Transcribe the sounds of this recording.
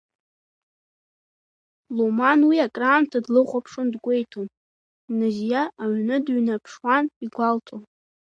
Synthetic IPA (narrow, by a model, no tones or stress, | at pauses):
lomanwiakʼraːmtʰadlɨχʷʼapʰʂɨndɡʷe̞jtʰom | nɨzjaʔːɥnɨdɥnapʰʂwaniɡʷaltʰon